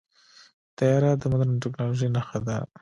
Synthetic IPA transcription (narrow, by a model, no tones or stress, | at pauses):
t̪ajɑɾad̪əmʊd̪aɾnʈɪknɑloʒəjnaxad̪a